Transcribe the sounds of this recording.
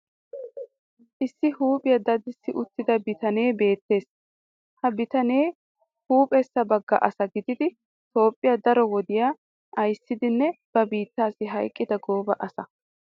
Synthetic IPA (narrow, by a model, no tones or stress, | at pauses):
ʔɪsːɪhuːpʼɪjɐd̪ɐd̪ɪsːɪʔʊt̪ːɪd̪ɐbɪt̪ɐne̞ːbe̞ːt̪ːe̞ːs | hɐbɪt̪ɐne̞ː | huːpʼɛsːɐbɐɡːɐ̰ʔɐsɐɡɪd̪ɪd̪ɪ | t̪o̞ːpʼːɪjad̪ɐɾɔwɔd̪ɪjaː | ʔɐjsːɪd̪ɪnːɛb̥ɐbiːt̪ːaːsɪɦɐjkʼːɪd̪ɐɡoːbɐʔɐsɐ